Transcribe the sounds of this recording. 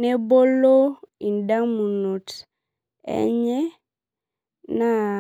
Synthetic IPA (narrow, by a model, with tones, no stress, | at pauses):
ne˦bo˦lo˦i˨nda˦mu˨nu˨t | ɛ̰˦ɲɛ˦ | na˦